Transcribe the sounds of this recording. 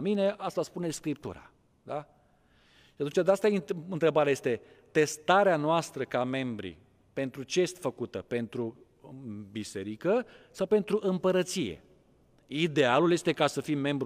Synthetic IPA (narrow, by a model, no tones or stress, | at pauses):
mine̞ʔast̪aspune̞skɾip̚t̪ṵɾa̰ | d̪a | ʃiat̪unt͡ʃad̪east̪ajɨnt̪ɾe̞baɾeajest̪e̞ | t̪e̞st̪aɾeanoast̪ɾəkame̞mbɾḭ | pe̞nt̪ɾut͡ʃejest̪ʲfəkut̪əpe̞nt̪ɾu | bise̞ɾikəsawpe̞nt̪ɾuʔɨmpəɾət̪sijḛ | id̪e̞alulje̞st̪e̞kasəfimːe̞mbɾ